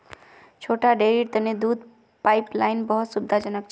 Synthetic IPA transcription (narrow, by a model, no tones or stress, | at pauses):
t͡ʃʰoʈaɖeɾiɾt̪əned̪ud̪̚ʱ | pajplajnbəɦəsubd̪ʱad͡ʒənək̚t͡ʃʰ